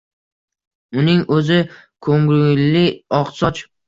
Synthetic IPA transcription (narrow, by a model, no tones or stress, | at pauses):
ʊnɪŋʔɵzɪkʰoŋɡɾʊlɪɒqsɒt͡ʃ